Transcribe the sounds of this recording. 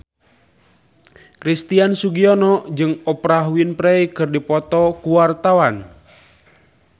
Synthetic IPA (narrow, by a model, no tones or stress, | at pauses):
kɾist̪iansuɡiɔnɔd͡ʒɨŋɔpɾaɦuinpɾɛikɨrdipɔt̪ɔkuwart̪awan